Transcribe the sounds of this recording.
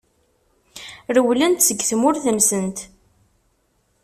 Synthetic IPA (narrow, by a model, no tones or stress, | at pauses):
ɾəwlənt̪səɡːθmʊɾθəmsənt̪